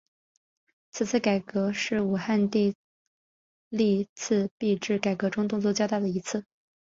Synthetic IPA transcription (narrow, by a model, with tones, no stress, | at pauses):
t͡sʰɹ̩˨˩t͡sʰɹ̩˥˩ka˨˩ɪkɤ˧˥ʂɻ̩˥˩u˨˩xa˥˧nt̪i˥˧ | li˥˧t͡s̩ʰ˥˧pi˥˧ʈ͡ʂɻ̩˥˩ka˨˩ɪkɤ˧˥ʈ͡ʂʊ˥ŋt̪ʊ˥˧ŋt͡swɔ˥˧t͡ɕjʊt̪a˥˩d̪ə˩i˧˥t͡sʰɹ̩˥˩